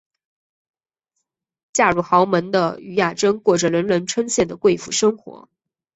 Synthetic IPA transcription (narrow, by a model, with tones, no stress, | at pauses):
t͡ɕja˥˩ɻu˥˩xɑ˧˥ʊmə˧˥nd̪ə̰˧y˧˥ja˥˩ʈ͡ʂə˥ŋkwɔ˥˩ʈ͡ʂə˨˩ɻə˧˥nlə˧˥nʈ͡ʂʰwə˥nɕjɛ˥˩nd̪ə˩kwe˥˩ɪfṵ˨˥˩ʂɤ˥ŋxwɔ̰˧˥